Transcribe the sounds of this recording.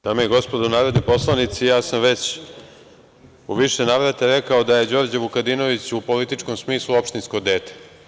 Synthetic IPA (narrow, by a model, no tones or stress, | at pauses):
d̪̥amojeɡo̞spod̪ounaːɾo̞d̪nojpo̞slˠanit̪sijaːsamʋe̞t͡ɕ | uʋiʃenaːʋɾat̪eɾekao̞d̪aje̞d͡ʑo̞ːɾd͡ʑeʋukad̪ino̞ʋit͡ɕupo̞lit̪it͡ʂko̞msmiːslˠuo̞pʃt̪insko̞d̪eːt̪e̥